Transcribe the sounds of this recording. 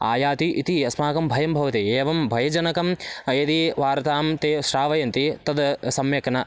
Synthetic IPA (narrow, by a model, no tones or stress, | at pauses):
a̰ːjaːt̪iʔit̪iɐsmaːkɐmbʱɐjɐmbʱɐʋɐt̪ieːʋɐmbʱɐjɐd͡ʒɐnɐkɐmjɐd̪iʋaːɾɐt̪aːmt̪eːʃɾaːʋɐjɐnt̪it̪ɐd̪sɐmjɐknɐ